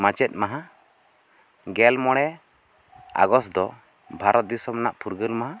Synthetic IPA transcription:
mat͡ʃɛt̪̚ˀmaɦa | ɡɛlmɔɽ̃ɛ | a̰ɡɔsd̪ɔ | bʱaɾɔt̪̚d̪isɔmnaʔpʰuɾɡəlmaɦã

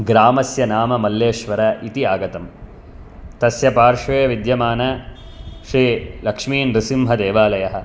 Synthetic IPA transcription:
ɡɾaːmɐsjɐnaːmɐmɐlːeːʃʋɐɾɐʔit̪iaːɡɐt̪ɐm | t̪ɐsjɐpaːɾʂʋeːʋid̪jɐmaːnɐ | ʃɾiːlɐkʂmiːnɾisimɦɐd̪eːʋaːlɐjɐɦɐ̆

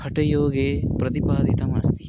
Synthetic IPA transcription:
hʰɐʈɐjoːɡeːpɾɐt̪ipaːd̪it̪ɐmɐst̪i

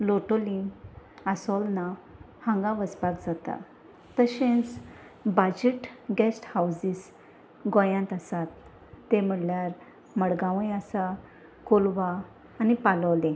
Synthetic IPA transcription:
loʈoliŋasɔlna | hãŋɡaʋəspakd͡zat̪a̰ | t̪əɕẽt͡s | bad͡ʑiʈɡɛsʈhawsis | ɡɔ̃jãnt̪asat̪ː | em̤əɽljaɾ | məɽɡãʋəjasa | kolʋaː | nipaləʋlẽ

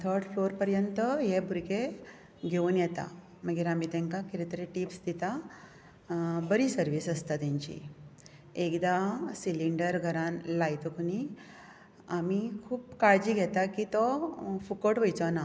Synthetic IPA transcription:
t̪ʰəɾɖfloɾpəɾjənt̪əɦebʱuɾɡe | ɡʱeunjɛt̪a̰ | məɡiɾamit̪ɛ̃ŋkakiɾit̪ɾeʈipsd̪it̪a | bəɾisəɾʋiːsəst̪at̪jãɲt͡ɕḭ | ekd̪asiliɳɖəɾɡʱəɾãnlajt̪okuni | amikʰuːpkaɭd͡ʑiːɡʱɛt̪akit̪ɔfukəʈʋəjt͡sɔna

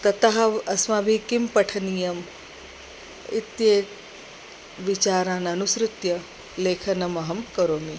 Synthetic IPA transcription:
t̪ɐt̪aɦɐɐsmabʱikimpɐʈʰɐnijɐm | it̪je | ʋit͡ʃaːɾãːnɐnusɾʊt̪jɐ | leːkʰɐnɐmɐɦɐmkɐɾoːni

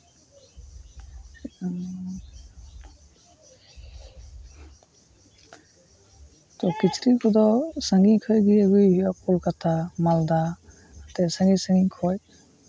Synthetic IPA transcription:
tɔkit͡ʃʰɾikʰɔdɔsaŋɡikʰɔjɡijaɡujjɔkulkatamald̪a | tɛsaŋɡisãŋɡikʰɔj

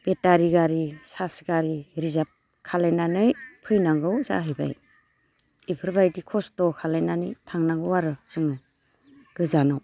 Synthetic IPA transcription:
b̥etaɾiɡaɾisasɡaɾiɾizap̚ | kʰalajnanɯjpʰɯjnaŋɡɯwza̰ɦɯjba̰j | ipʰɯɾbajdikʰɔstɔkʰalajnanɯjtʰaŋnaŋɡɯwaɾɯz̥ɯŋɯ | ɡ̥ɯzanaw

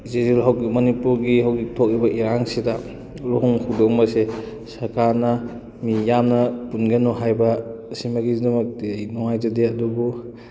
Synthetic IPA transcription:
zezilɦawɡimɐnipuɾɡiɦawɡitʰok̚ɾibɐʔiɾaŋsidɐ | luɦuŋhʰudɔŋmɐse | sɐɾkaɾnɐ | mijamnɐpunɡenuɦajbɐsimɐɡizdumɐk̚tijnɔŋajzɐdeɐdubu

